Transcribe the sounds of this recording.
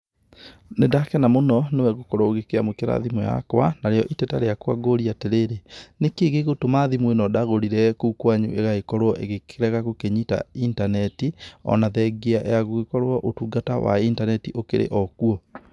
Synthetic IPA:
nedakɛnamonɔnewɛɣokɔɾɔoɣekeamokeɾa̰ðimwja̰kwanaɾeɔʔitɛtaɾeakwaɡoɾiateɾeɾenekeɣeɣotomaðimwenɔdaɣoɾiɾɛkokwaɲṵʔeɣaekɔɾwɔʔḛɣekʰeɾɛɣaɣokeɲita̰intanɛtiɔ̰naðɛɡeaʔeaɣoɣekɔɾoɔʔotuɡata̰wa̰intanɛtiʔokḛɾḛʔɔkuɔ

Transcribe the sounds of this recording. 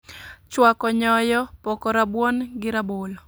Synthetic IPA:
t͡ʃwakɔɲɔjɔpɔkɔɾabwɔnɡɪɾabol

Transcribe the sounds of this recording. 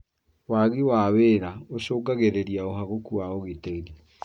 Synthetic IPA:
waɣiwaweɾaoɕoːɡaɣeɾeɾiaoɦaɣokuwaoɣeteɾi

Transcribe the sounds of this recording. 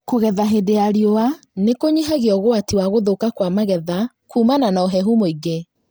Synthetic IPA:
koɣɛðaɦedeaɾiowa | nekoɲiɦaɣeɔɣoatiwaɣoðokakwamaɣɛða | kuːmananaɔɦɛɦumoiɡe

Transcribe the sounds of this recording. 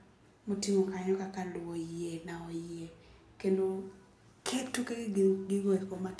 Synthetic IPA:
motimokaɲɔkakalʊwojɪenaɔje | kendo | kʰetukeɡɡɪɡokoma

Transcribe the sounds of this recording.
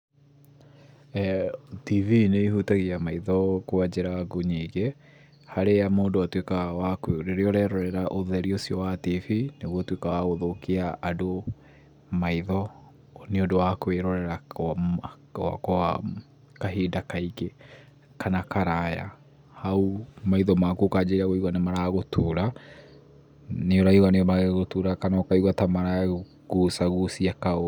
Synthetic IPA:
tivineiɦutaɣiamaiðɔkoad͡ʑeɾaɡoɲiɣe | haɾejamoːdoatwekawakeɾeɾeɔɾɛɾɔɾɛɾaʔoðɛɾiosiɔwativineɣwɔtwekawaɣoðokiaʔado | maiðɔ | neodowakweɾɔɾɛɾa | wa̰koa | kaɦedakaike | kanakaɾaja̰ | haumaiðɔmakukad͡ʒeɾaɣoiɣwanemaɾaɣotʰuɾa | neoɾaiɣwanemaɣeɣotuɾakanɔkaiɣwatamaɾa | ɣusaɣusiakao

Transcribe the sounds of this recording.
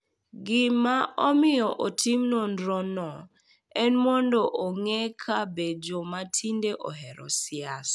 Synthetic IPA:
ɡɪmaɔmɪjɔʔotʰimnɔndɾɔnɔ | ɛnmɔndɔʔoŋekʰabed͡ʒomatʰindeʔɔ̰ɦɛɾɔsjas

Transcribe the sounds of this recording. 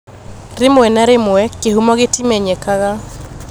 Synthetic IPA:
ɾemoɛnaɾemʊɛkehumɔɣetimɛɲɛkaɣa

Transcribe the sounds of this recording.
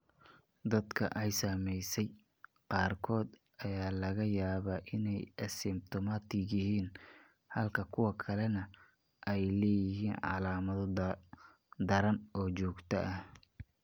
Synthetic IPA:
d̪ɐd̪kʰɐ̰ʔɛjsɐmɛjsɛj | qɑːrkʰɔːd̪ | ʔɐjaːlɐɣɐjaːβaːʔɪnɛjʔɐsɪm̚t̪ʰɔmat̪ʰɪɣjɪɦiːn | hɐlkʰɐkʰʊwɐkʰɐlɛnɐ | ʔɛjlɛːjɪɦiːnʕɑ̰laːmɐðɔ | d̪ɐɾɐnɔːt͡ʃɔːɡt̪ʰɐʔɐh

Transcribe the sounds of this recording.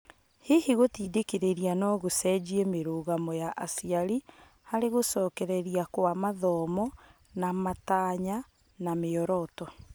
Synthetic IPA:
hehiɣotiːdekeɾeɾianɔɣosɛd͡ʑiɛmeɾoːɣamɔjaʔasiaɾi | haɾeɣosɔːkɛɾɛɾiakwamaðɔmɔ | namataːɲa | nameɔɾɔtɔ

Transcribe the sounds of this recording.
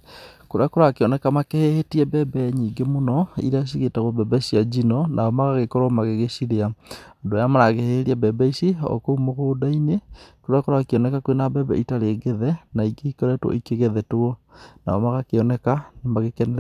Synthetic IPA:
koɾeakoɾaakeɔnɛkamakehehetiɛbɛbɛɲiːɡemonɔḭɾeaɕ̬iɣetaɣobɛbɛɕiad͡ʒinɔnaɔmaɣaɣekɔɾɔmaɣeɣeɕiɾeaɔdojamaɾaɣeheheɾiabɛbɛisiɔ̰koumoɣoːdainekoɾeakoɾaakeɔnɛkakowenabɛbɛ̰itaɾeɡɛðɛnaiɡeikɔɾɛtwɔ̰ikeɣɛðɛtoɔ | na̰ɔmaɣakeɔnɛkanemaɣekɛnɛ

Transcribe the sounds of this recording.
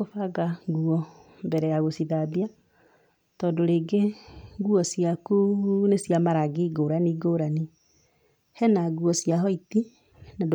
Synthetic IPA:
ofaɡaɡuɔ | mbɛɾɛjaɣosiðaβia | tɔdoɾeɡeŋɡuɔsiakunesjamaɾaɡiɡoɾaniɡoɾani | hɛnaɣuɔsjaɦɔiti | nad

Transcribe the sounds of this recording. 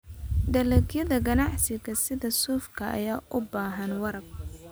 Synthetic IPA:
d̪ɐlɛɡjɐðɐɡɐnɑʕsɪɡɐsɪðɐsuːfkʰɐɐ̰jaːʔʊbaːɦɐnwɐɾɐɡ

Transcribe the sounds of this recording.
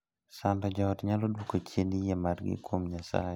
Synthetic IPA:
sandɔd͡ʒɔɔtɲalodwokot͡ʃjenijɛmarɡɪ̰kwomɲasa̰jɛ

